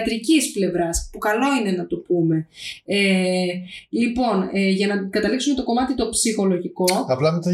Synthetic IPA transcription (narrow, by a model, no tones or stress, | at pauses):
t̪ɾicisple̞vɾɐspukɐlo̞ine̞nɐt̪opume̞e | lipo̞nʝɐnɐkɐt̪ɐliksume̞t̪o̞ko̞mɐt̪it̪o̞psixo̞lo̞ʝiko̞ɐplɐðet̪ɐ